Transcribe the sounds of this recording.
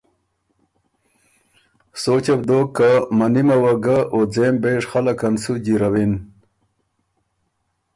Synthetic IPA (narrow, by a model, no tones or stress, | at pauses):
soːt͡ɕebd̪oːkːamanimawaɡaʔod͡zeːmbeʂχalakɐnsud͡ʑiɾawin